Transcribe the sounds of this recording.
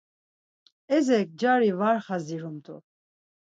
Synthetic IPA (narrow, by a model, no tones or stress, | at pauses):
ɛzɛk̚d͡ʒaɾivaɾχaziɾumt̪ʰʼṵ